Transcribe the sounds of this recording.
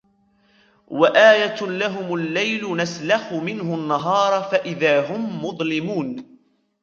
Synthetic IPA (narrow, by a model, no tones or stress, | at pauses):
waʔaːjalaɦʊmʊlːajlʊnaslaxʊmɪnhʊanːaɦɑːɾˤɑfaʔɪðaːɦʊmːʊðˤlɪmuːn